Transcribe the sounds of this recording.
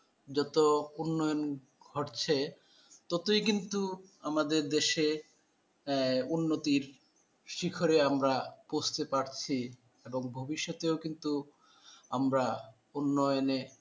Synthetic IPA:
d͡ʑɔt̪ounːɔjon | ɡʱɔʈt͡ɕʰe | t̪ɔt̪ojkint̪uamad̪eɾd̪eʃe | unːot̪iɾ | ʃikʰoɾeamɾaposʰt̪epaɾt͡ɕʰi | eboŋbʱobiʃːot̪eokint̪u | amɾa | unːɔjone

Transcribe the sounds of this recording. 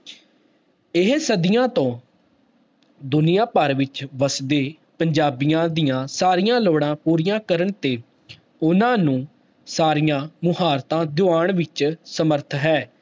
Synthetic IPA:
ɪɦsəd̪ɪjãːt̪õː | d̪ʊnɪjãːpəɾʋɪt͡ʃʋəsd̪eː | pəɲd͡ʒaːbijãːd̪ijãːsaːɾɪjãːloːɽãːpuːɾɪjãːkəɾəɳt̪eː | ʊnãːnũː | saːɾijãːmʊhaːɾt̪ãːd̪ʊaːɳʋɪt͡ʃsəməɾt̪ʰɦɛː

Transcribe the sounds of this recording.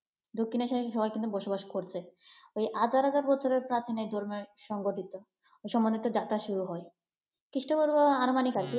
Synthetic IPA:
d̪okʰːineʃaʃɔbajkint̪ubɔʃobaʃkoɾt͡ɕʰeojʔad͡ʑaɾɦad͡ʑaɾbɔt͡ɕʰoɾeɾpɾat̪ʰinejd̪ʱɔɾmeɾʃɔŋɡoʈit̪o | ojʃɔmbond̪ʱit̪od͡ʑat̪aʃuɾuɦɔe | kit͡ɕʰuʈaboɾbaaɾomanikaɾk

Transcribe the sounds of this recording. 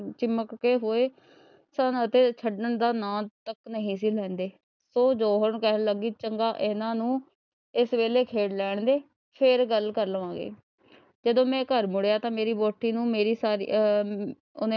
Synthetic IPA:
t͡ʃɪmːəkːeːɦoːeː | sanət̪eːt͡ʃʰəɖənd̪aːnãːt̪əknəɦĩːs̬iːlɛ̃ːnd̪eː | soːd͡ʒoːɦəɾnkɛːɦnləɡiːt͡ʃəŋɡaːʔɪnãːnũː | ɪsʋeːleːkʰeːɖlɛːɳ̃d̪eː | pʰɪɾɡəlkəɾlʋãːɡḛː | d͡ʒəd̪õːmɛ̃ːkəɾmʊɽejaːt̪ãːmeːɾiːboːʈːiːnũːmeːɾiːsaːɾḭ | ʊne

